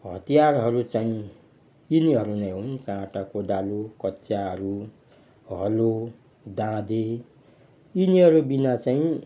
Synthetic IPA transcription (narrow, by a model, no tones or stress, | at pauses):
ɦʌt̪ijarɦʌɾut͡saĩ | iniɦʌɾunʌjɦõnkãʈakodalokʌtːt͡sjaɦʌɾu | ɦʌlo | d̪ãd̪e | iniɦʌɾubinat͡saĩ